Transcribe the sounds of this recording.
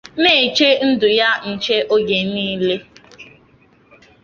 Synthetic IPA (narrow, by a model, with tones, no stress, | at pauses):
ne˦˨t͡ʃe˦n̩˦dʊ˨ja˦n̩˨t͡ʃe˦ʔo˦ɡe˨niː˦le˦